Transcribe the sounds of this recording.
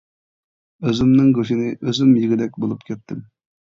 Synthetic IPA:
øzɪmnɪŋɡøʃinɪʔøzɪmjiɡʲid̪ɛk̚ʲbolˠupkʲʰɛt̪ʰːɪm

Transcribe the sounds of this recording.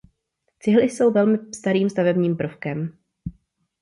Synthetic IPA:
t͡sɪɦlɪso̞wvɛlmɪst̪aɾiːmst̪avɛbɲiːmpr̩fkɛm

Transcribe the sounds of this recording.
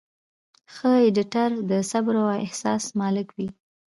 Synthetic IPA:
xəɪɖɪʈaɾd̪əsabɾaaɪhsɑsmɑlɪkwi

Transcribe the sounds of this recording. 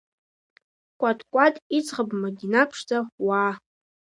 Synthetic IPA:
kʷʼatʰʼkʷʼatʼit͡sʰʼʁəbmaɡʲinapʰʂd͡zʼawaː

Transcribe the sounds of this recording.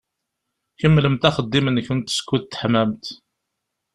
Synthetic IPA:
çəmːləmt̪æχəd̪ːimənçənt̪ːə̥skːuðt̪ːħmæmt̪

